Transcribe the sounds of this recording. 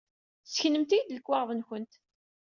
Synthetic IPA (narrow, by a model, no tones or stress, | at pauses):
səçnəmt̪id̪ləkːwaʁvənçənt̪